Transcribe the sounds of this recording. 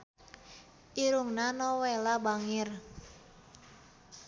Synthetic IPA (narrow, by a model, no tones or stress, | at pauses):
ʔiɾuŋnanɔwelabaŋɪr